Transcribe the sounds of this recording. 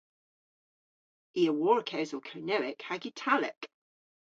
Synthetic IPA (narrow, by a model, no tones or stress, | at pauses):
iəwɔːɹəkʰəʊzəkʰəʊnəʊɪkhaɡitʰalɪ̰k